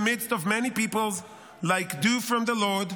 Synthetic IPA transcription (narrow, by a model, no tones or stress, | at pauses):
mɪdstɔvmɛnipipəlˠz | laɪkdufɹɔ̃mðəlɔɹd